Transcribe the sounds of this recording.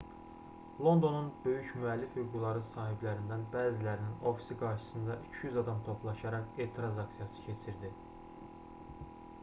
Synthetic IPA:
lˠo̞nd̪o̞nunbø̞jycmyælːifhyɡulˠɑɾɯsɑːɦiblæɾind̪ænbæːzilæɾinino̞fi̥siɡɑɾʃɯ̥sɯnd̪ɑʔycʰyjyzɑd̪ɑmt̪ʰo̞plˠɑʃɑɾɑke̞t̪ʰɾɑzɑksijɑsɯ̥cʰe̞t͡ʃʰiɾd̪i

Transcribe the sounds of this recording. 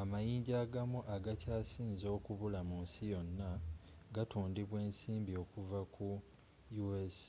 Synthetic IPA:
amajiːɲɟaːɡamuʔaɡacaːsiːnzo̞ːkuβulamunsijo̞nːa | ɡatuːndiβwe̞ːnsiːmbio̞ːkuvakʰu | jues

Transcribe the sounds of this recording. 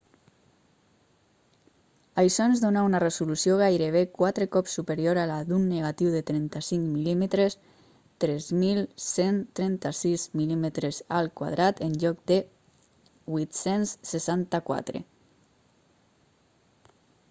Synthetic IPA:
ajsɔnzðonaunaresulusioɣ̞ajɾeβ̞ekwat̪ɾekɔpsːupeɾjoɾalaðunːeɣat̪iwðet̪ɾɛnt̪asiŋkmilimet̪ɾes | t̪ɾɛzmilsent̪ɾɛnt̪asizmilimet̪ɾezalˠkwa̰ð̞ɾat̪enʎɔk̚d̪e | βwit̪senssesant̪akwa̰t̪ɾḛ

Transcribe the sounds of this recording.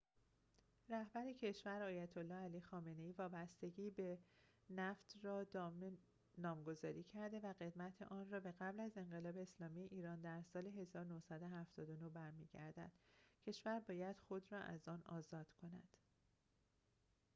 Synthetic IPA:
ræhbæɾecʰe̞ʃvæɾɒːjæt̪ʰolːɒːhæliːxɒːme̞ne̞iːvɒːbæst̪e̞ɟiːbe̞ | næft̪ʰrɒːm | nɒːmɡo̞zɒːɾiːcʰæɾd̪e̞væɣe̞d̪mæt̪ʰḛʔɒːnrɒːbe̞ɣæblæze̞ŋɢe̞lɒːbe̞ːslɒːmijeʔiːɾɒːnd̪æɾsɒːle̞ɦe̞zɒːɾonohsæd̪o̞ɦæft̪ɒːd̪o̞no̞bæɾmḭːɟæɾd̪æ̰d̪̥cʰe̞ʃvæɾbɒːjæd̪̥xo̞d̪rɒːʔæ̰zɒːnɒːzɒːd̪̥kʰo̞næ̰d̪̥

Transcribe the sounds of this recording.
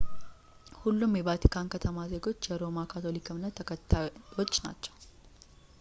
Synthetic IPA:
hulːumjɛbat̪ʰi̥kʰankʰət̪ʰəmaze̞ɡo̞t͡ʃːjɛɾo̞makʰat̪ʰo̞likʰɨmɨnːət̪ʰːəkʰət̪ʰːajo̞t͡ʃːna̰t͡ʃːɛ̥w

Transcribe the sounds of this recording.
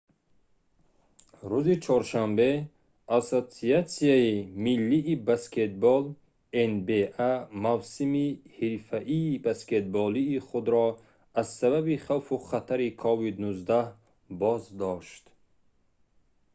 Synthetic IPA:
ɾuzit͡ʃʰɔɾʃambe̞ | asosiat̪siaimilːiʔːbaskʰet̪̚bɔl | enbeʔamavsimihiɾfaʔiːbasket̪̚bɔliːχud̪ɾɔ | azsaβabiχawfuχat̪ʰaɾikʰɔvid̪nuzd̪ah | bɔzd̪ɔʃt̪

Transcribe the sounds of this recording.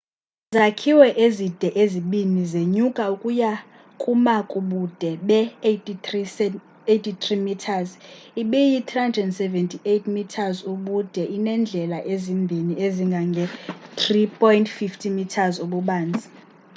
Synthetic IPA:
zakʰiwɛʔezid̥ʱɛʔeziɓinizeɲukʼaukʼuja | kʰumakʼuɓud̥ʱɛɓɛ | iɛ | etʰʼit̪ʰrimitʰaziɓijit̪ʰʼrandɛndsɛvɛntʰʼiʔetʰmitʰazuɓud̥ʱɛʔinɛnd͡ɮʱɛlaʔezimbʱinieziŋɡʱaŋɡʱɛt̪ʰʼripʰʼɔjntfiftʰimitʰazuɓuɓaːnd͡zʱi

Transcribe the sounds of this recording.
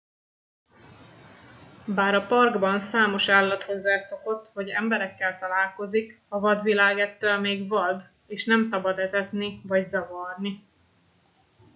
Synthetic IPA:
baːɾɒpɒrɡbɒnsaːmo̞ʃaːlːɒt̪ho̞zːaːso̞ko̞t̪ːɦɒɟɛ̰mbɛɾɛkːɛlt̪ɒlaːlko̞zik | ɒvɒd̪vilaːɡɛt̪ːølmeːɡvɒd̪ | eːʃnɛmsɒbɒd̪ɛt̪ɛt̪nivɒɟzɒvɒrni

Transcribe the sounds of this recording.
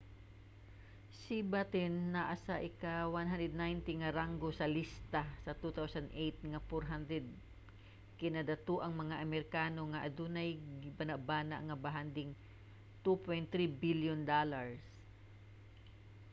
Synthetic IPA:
sibat̪ɪnːaʔasaʔɪkawanɦand̪ɛd̪̚najnt̪ɪŋaɾaŋɡosɐlist̪asɐt̪ut̪awsand̪ʔejt̪̚ŋafɔɹɦand̪ɾɛd̪̚ | kɪnad̪at̪oʔɐŋmɐŋaʔɐmɛɾɪkaːnoŋaʔad̪unajɡɪbanaʔbaːna̰ʔŋabaɦand̪ɪŋ | t̪upojnt̪ɾibiljʊnd̪alaɹs

